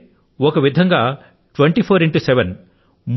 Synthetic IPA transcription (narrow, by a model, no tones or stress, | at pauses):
ɔkɐʋid̪ʱɐŋɡaː | ʈʋeɳʈipʰoːɾiɳʈusɛʋen | m